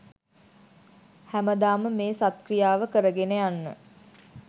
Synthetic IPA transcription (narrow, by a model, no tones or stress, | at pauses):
hæməd̪aːməmeːsat̪̚krijaːʋəkəɾəɡenejanːə̰